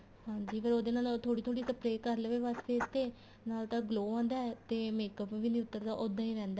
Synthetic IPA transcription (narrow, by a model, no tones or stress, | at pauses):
ɦãːɲd͡ʒiːpʰəɾoːd̪eːnaːlt̪ʰoːɽiːt̪ʰoːɽiːsəpɾeːkəɾleʋeːʋaːst̪eːɪst̪eː | naːlt̪ãːɡloːãːnd̪aːɛːt̪eːmeːkəpʋiːnĩːʊt̪ːəɾd̪aːʔod̪ãːĩːɾɛ̃ːnd̪a